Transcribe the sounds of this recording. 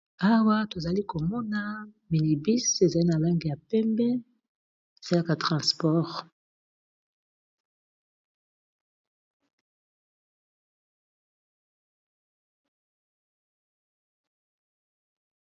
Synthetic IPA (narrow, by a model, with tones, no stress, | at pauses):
a˦wa˦to˨za˨li˦ko˨mɔ˦na˦mi˨li˨bi˦se˨za˨li˦na˨la˦ŋɡe˨ja˨pɛ˦mbɛ˦ | e˨sa˦la˦ka˨tʁɑ̃˨spɔ˦ʁ